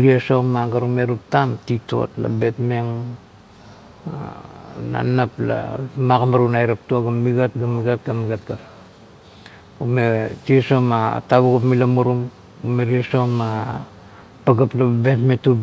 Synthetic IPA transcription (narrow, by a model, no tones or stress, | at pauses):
ɾiesomaɡaɾume̞ɾup̚tamtito̞̰tla̰be̞tme̞ŋ | ana̰napla̰maɡamaɾunajɾap̚tuaɡamːiɡat̚ɡamiɡat̚ɡamiɡat̚ɡap | umetiesomataβuɡapmilamuɾum | umeɾiesoma | paɡaplabetmetub